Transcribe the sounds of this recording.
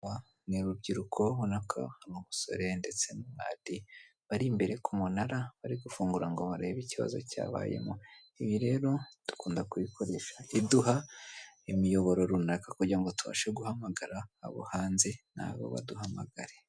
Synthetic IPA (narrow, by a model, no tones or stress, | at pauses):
a | niɾubɟiɾukʰo̞βunakʰa̰numuso̞̰ɾe̞nde̞t͡se̞numŋa̰ːd̥i | βaɾimbe̞ɾe̞kʰumunaɾaβaɾiɡufuːŋɡuɾaŋɡo̞βaɾeβiciβa̰zo̞̰ca̰ːβa̰ːje̞̰mo | iβiɾe̞ːɾo̞tu̥kuːndakuβikʰo̞ɾe̞ʃḁiduɦaimijo̞βo̞ɾo̞ɾunakakuɟiɾaŋɡotuβa̰ːʃeɡuhamaɡaɾa̰ːβo̰haːnzena̰βo̰βa̰duhamaɡaɾe